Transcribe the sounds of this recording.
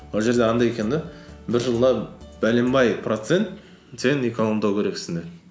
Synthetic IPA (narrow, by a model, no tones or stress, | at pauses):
wolˠʒe̞ɾd̪eɑnd̪ɑjekʲend̪ɪbɪɾʒəlˠd̪ɑb̥ælembɑjprot̪se̞nt̪ | seneko̞nomd̪ɑwkʲʰeɾe̞ksɪnd̪e